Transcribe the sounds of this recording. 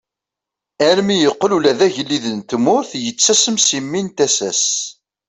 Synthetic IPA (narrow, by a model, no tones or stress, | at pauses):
ælmijəqːlulæðæʝəlːiðənt̪mʊɾθjət͡sːæsəmsimːint̪æsæs